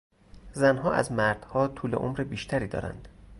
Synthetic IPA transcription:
zænɦɒːʔæ̰zmæɾd̪̥hɒːt̪ʰuːle̞ʔomɾebiːʃt̪ʰæɾiːd̪ɒ̰ːɾæ̰nd̪̥

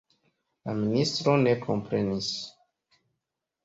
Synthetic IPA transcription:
laministɾo̞ne̞kʰo̞mpɾe̞nis

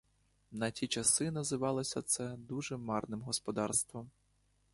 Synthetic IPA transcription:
nɐtʲit͡ʃɐsɪnɐzɪʋɑlˠɔsʲɐt̪sɛd̪uʒɛmɑrnɪmɦɔspɔd̪ɑrst̪ʋɔm

